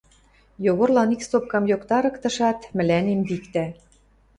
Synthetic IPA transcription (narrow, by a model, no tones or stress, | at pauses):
joɣorlɑnikst̪op̚kɑmjokt̪ɑɾɤ̆kt̪ɤ̆ʃɑt̪mɘ̆lænembikt̪æ